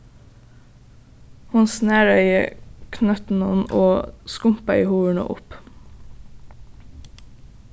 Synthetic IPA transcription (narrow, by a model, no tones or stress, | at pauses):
hʊnsneːɹœʏə̰kʰnœt̪n̩ɔnoːskʊmpɑiːhuːəɳo̰ːʔʊ̰p